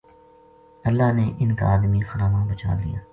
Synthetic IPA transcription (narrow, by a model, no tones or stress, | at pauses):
ɐlːaːneʔɪnka̰aːd̪mixəɾaːmãbət͡ʃa̰ːlḭja̰ː